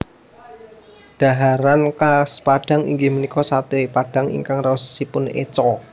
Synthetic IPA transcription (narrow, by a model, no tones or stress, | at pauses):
d̥a̤ɦaɾankaspad̥a̤ŋḭŋɡɪmənikɔsat̪epad̥a̤ŋḭŋkaŋrasːipʊnḛt͡ʃɔ